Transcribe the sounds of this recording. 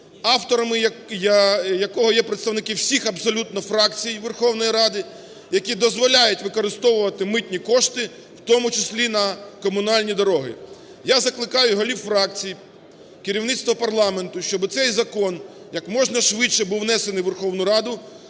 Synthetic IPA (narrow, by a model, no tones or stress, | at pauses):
ɑwt̪ɔɾɐmɪjjɐkɔɦɔjɛpɾet̪st̪ɐʋwnɪkɪwsʲixɐbsɔlʲut̪nɔfɾɑkt͡sʲijʋerxɔwnɔjiɾɑd̪ɪ | jɐkʲid̪ɔzʋɔlʲajʊtʲʋɪkɔɾɪst̪ɔʋʊʋɐt̪ɪmɪt̪ʲnʲikɔʃt̪ɪ | wt̪ɔmʊt͡ʃɪsʲlʲinɐkɔmʊnɑlʲnʲid̪ɔɾɔɦɪ̰ | jazɐklˠɪkɑjʊɦɔlʲiwfɾɑk̚t͡sʲiji | kɪɾʲiwnɪt̪st̪ʋɔpɐrlˠɑme̞nt̪ʊʃt͡ʃɔbɪt̪sɛjzɐkɔn | jɐkmɔʒnɐʃʋɪt͡ʃːɛbuwnɛsenɪjʋerxɔwnʊɾɑd̪ʊ